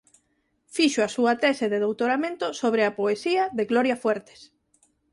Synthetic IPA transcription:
fiʃoasuɐt̪ɛseðeðowt̪oɾamẽnt̪osoβ̞ɾeapoesiɐðeɣlɔɾjafweɾt̪e̥s

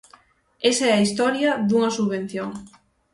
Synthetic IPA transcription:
esaɛɐist̪ɔɾjɐðuŋɐsuββen̟θjoŋ

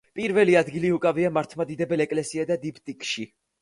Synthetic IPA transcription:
pʼiɾvɛliad̪ɡiliukʼaviamaɾt̪ʰmad̪id̪ɛbɛlɛkʼlɛsiad̪ad̪ipʰt̪ʼikʼʃi

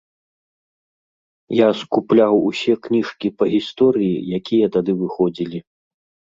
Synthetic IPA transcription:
jaskuplʲawusʲɛknʲiʂkʲipɐɣʲist̪ɔɾɨjijakʲijɐt̪ad̪ɨvɨxɔd͡zʲilʲi

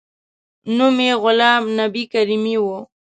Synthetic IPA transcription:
numeɣʊlɑːmnabikaɾimiwo

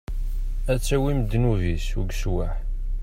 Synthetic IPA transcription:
æt͡sːæwimd̪ːnuvisuɡswaħ

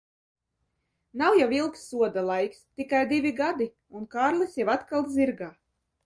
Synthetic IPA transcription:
nawjawilˠksːuɔd̪alˠajkst̪ikajd̪ivʲiɡad̪i | unkaːɾlʲisjawat̪kalˠziɾɡaː

